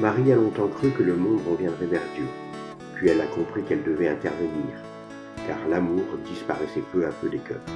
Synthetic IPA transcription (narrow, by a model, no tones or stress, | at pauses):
maʁialɔ̃t̪ɑ̃kχykələmɔ̃d̪ʁəvjɛ̃d̪ʁɛvɛʁd̪jø | pɥiɛlakɔ̃pχikɛld̪əvɛɛ̃t̪ɛʁvəniːʁ | ka̰ʁlamuʁd̪ispaʁɛsɛpøapød̪ekœːʁ